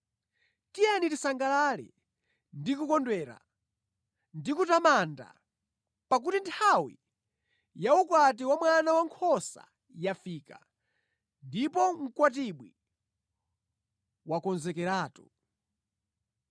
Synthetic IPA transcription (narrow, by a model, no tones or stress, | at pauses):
tijanitisaŋɡalalɛ̰ | ndikukɔndwɛɾa̰ | ndikutamanda̰ | pak̬utintʰawḭ | jaukwat̬iwamwanawaŋkʰɔsa̰ | jafiːka̰ | ndipɔŋ̩kwat̬iɓwi | wakɔnzɛkɛɾaːtu